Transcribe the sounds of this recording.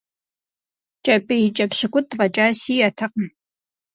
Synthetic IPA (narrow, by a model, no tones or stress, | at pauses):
t͡ʃʼɐpʼit͡ʃʼɐpɕɨkʷʼʊʁɐt͡ʃʼaːsiːjatʰɨqəm